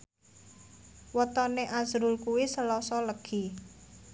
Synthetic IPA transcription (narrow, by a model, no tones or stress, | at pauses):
wət̪ɔneʔazɾʊlkuwisəlɔsɔləɡ̥i